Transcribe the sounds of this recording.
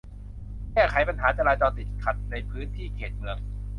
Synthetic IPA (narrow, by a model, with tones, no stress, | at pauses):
kɛː˥˩kʰa˨˩˦jpa˧nɦaː˩˦t͡ɕa˧laː˧t͡ɕɔː˧t̪i˨˩t̪̚kʰa˨˩t̪̚na˧jpʰɯː˦˥nt̪ʰiː˥˩kʰeː˨˩t̪̚mɯ˧˩əŋ̚